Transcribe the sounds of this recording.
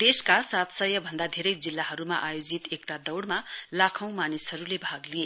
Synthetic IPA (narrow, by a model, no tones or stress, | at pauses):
d̪eskasat̪sʌjʌbʱʌnd̪ad̪ʱeɾʌjd͡zilːaɦʌɾumaʔajod͡zit̪ek̚t̪ad̪ʌwɽmalakʰʌ̃w̃manisɦʌɾulebʱaɡlie